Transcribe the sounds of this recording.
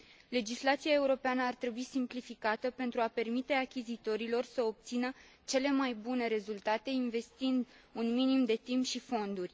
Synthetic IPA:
le̞d͡ʒislat̪siae̞uɾo̞peanəart̪ɾe̞buisimplifikat̪əpe̞nt̪ɾuape̞rmit̪e̞akʲizit̪o̞ɾilo̞rsəop̚t̪sinə | t͡ʃe̞le̞majbune̞ɾe̞zult̪at̪e̞inve̞st̪ind̪ | unminimd̪e̞t̪impʃifo̞nd̪urʲ

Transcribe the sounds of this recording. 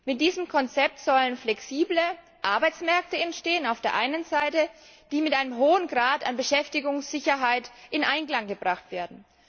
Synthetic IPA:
mɪt̚d̥iːzəmkʰɔnt͡sɛp̚tz̥ɔlənflɛksiːblə | ʔaɐbaɪt͡smɛɐk̚təɛntʃteːənaʊfd̥eːɐʔaɪnənzaɪtə | d̥iːmɪtʔaɪnəmɦoːənɡʁaːtanbəʃɛftɪɡʊŋsz̥ɪçɐɦaɪtʔɪnʔaɪnklaŋɡəbʁaχtv̥eːɐdn̩

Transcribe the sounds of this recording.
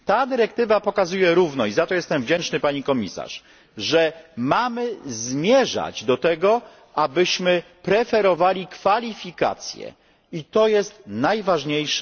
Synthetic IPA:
t̪ad̪ɘɾɛkt̪ɘvapɔkazujɛɾuvnɔizat̪ɔjɛst̪ɛmvd͡ʑɛnt͡ʂnɘpaɲikɔmʲisa̰ʂ | ʐɛmamɘzmʲjɛʐa̰d͡ʑd̪ɔt̪ɛɡɔ | ʔabɘɕmɘpɾɛfɛɾɔvalʲikfalʲifʲika̰t̪sʲjɛ̰ | it̪ɔjɛst̪najvaʐɲejʂ

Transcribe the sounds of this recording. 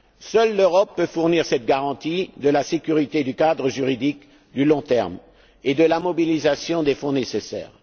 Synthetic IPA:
sœlːøʁɔpːøfuʁniʁsɛt̪ɡaʁɑ̃t̪id̪əlasekʲyʁit̪ed̪ykad̪ʁəʒyʁid̪ik | d̪ylɔ̃t̪ɛʁm | ed̪əlamɔbilizasjɔ̃d̪efɔ̃nesesɛ̰ːʁ

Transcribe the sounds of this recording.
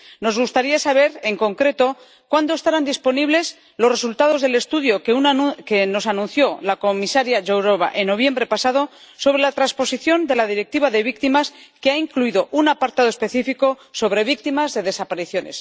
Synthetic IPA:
no̞zɣust̪aɾiasaβe̞ɾe̞ŋko̞ŋkɾe̞t̪o̞ | kwand̪oe̞st̪aɾand̪ispo̞niβle̞s | lo̞sre̞sult̪að̞o̞zðe̞le̞st̪uðjo̞keukeno̞sanũn̟θjo̞lako̞misaɾjaʝowɾoβa̰ʔe̞nːo̞β̞je̞mbɾe̞pasað̞o̞ | so̞βɾe̞lat̪ɾaspo̞siθjo̞nd̪e̞laðiɾe̞k̚t̪iβaðe̞βik̚t̪imaskeaiŋkluiðo̞ʔunapaɾt̪aðospe̞θifiko̞so̞βɾe̞βik̚t̪imazðe̞ðe̞sapaɾiθjo̞ne̞̰s

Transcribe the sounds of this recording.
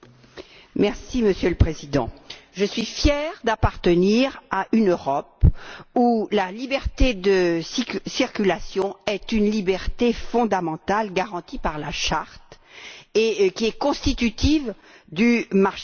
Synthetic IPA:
mɛʁsiməsjøləpχezid̪ɑ̰̃ʒəsɥifjɛʁd̪apaʁt̪əniʁaʔynøʁɔpulalibɛʁt̪ed̪əssiʁkʲylasjɔ̃ɛt̪ynlibɛʁt̪efɔ̃d̪amɑ̃t̪alɡaʁɑ̃t̪ipaʁlaʃaʁt̪ | ekʲiɛkɔ̃st̪it̪yt̪ʰiv | d̪ymaʁʃ

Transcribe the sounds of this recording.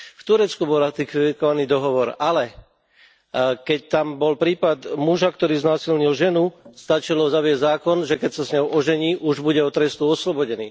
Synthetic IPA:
ft̪uɾɛt͡skubɔlɾat̪ikkɔʋaniːd̪ɔɦɔʋɔɾalɛ | kɛc̚t̪ambɔlpɾiːpad̪muʒakt̪ɔɾiːznaːsilɲilʒɛnust̪at͡ʃilɔzaʋɪɛzzaːkɔnʒɛkɛcsasɲɔʊʔɔʒɛɲiːʔuʒbuɟɛɔt̪ɾɛst̪uɔslɔbɔɟɛnḭː

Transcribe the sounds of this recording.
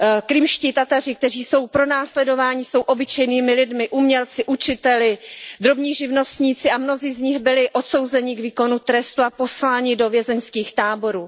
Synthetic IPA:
kɾɪmʃcɪt̪at̪ar̝ɪk̚t̪ɛr̝iːso̞wpɾo̞naːslɛdo̞vaːɲɪso̞wʔo̞bɪt͡ʃɛjniːmɪlɪdmɪʔumɲɛlt͡sɪʔut͡ʃɪt̪ɛlɪd̪ɾo̞bɲiːʒɪvno̞st̪ɲiːt͡sɪʔamno̞ziːzɲɪxbɪlɪʔo̞t̪so̞wzɛɲɪkviːko̞nut̪ɾɛst̪uapo̞slaːɲɪdo̞vjɛzɛnskiːxt̪aːbo̞ɾuː

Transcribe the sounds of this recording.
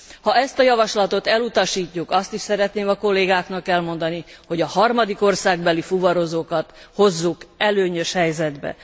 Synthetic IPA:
hɒɛst̪ɒjɒvɒʃlɒt̪o̞t̪ɛlut̪ɒʃiːcːukɒst̪iʃsɛɾɛt̪neːmɒko̞lːeːɡaːknɒkɛlmo̞nd̪ɒniho̞ɟɒhɒrmɒd̪iko̞rsaːɡ̚bɛlifuvɒɾo̞zoːkɒt̪ho̞zːukɛløːɲø̞ʃhɛjzɛd̪bɛ̰

